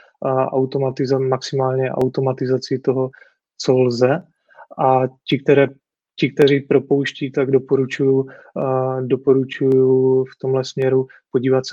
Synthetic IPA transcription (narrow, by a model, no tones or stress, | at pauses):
ʔa̰wt̪omat̪ɪzamaksɪmaːlɲɛʔa̰wt̪omat̪ɪzat͡sɪt̪oɦo | t͡solzɛ | ʔacɪk̚t̪ɛɾɛː | cɪk̚t̪ɛɾiːpɾo̞powʃciːt̪aɡdo̞poɾut͡ʃuju | dopoɾut͡ʃujuft̪o̞mlɛsmɲɛɾu | poɟiːvat̪sɛ